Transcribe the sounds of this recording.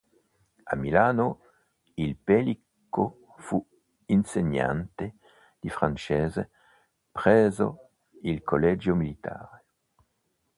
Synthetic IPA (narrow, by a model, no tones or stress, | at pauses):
a̰milaːno | ilpelikko | fu | inseɲa̰nt̪e | d̪̥ifʁant͡ʃeːze | pʁɛːzo̰ | ilkʰolɛd͡ʒjomilit̪ʰa̰ːɾe